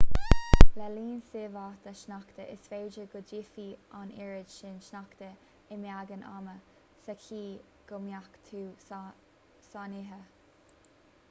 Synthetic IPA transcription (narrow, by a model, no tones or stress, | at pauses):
lɛliːnseːvat̪əʃnakt̪əʔɪsfeːd͡ʒəɡʊd͡ʒifiːanɪɹɪdʃɪnʃnakt̪ə | ɪmjaɡənʔa̰mə | sɛkʰiː | ɡ̥ʊmjakt̪ʰuː | saniɦə